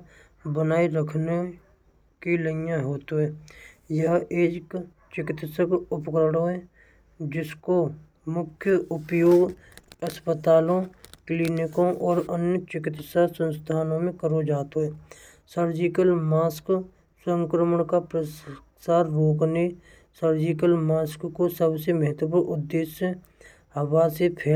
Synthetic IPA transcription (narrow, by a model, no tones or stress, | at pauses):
bənaːiɾəkʰne | kiləjãɦoːt̪oɦɛːjəɦeːk | t͡ʃɪkɪt̪səkʊpkɾəɽoɦɛː | d͡ʒɪsko | mʊkʰjəʔʊpjoːɡ | əspət̪aːlõkliːnɪkõʔɔːɾənjət͡ʃɪkɪt̪sasə̃nst̪ʰaːnõmẽkəɾod͡ʒaːt̪oɦɛː | səɾd͡ʒikəlmaːsk | sə̃ŋkɾəməɳkapɾəs | saːɾɾoːkne | səɾd͡ʒikəlmaːskkosəbseməɦət̪əpəʔʊd̪ːeːsə | ɦəwasepʰeː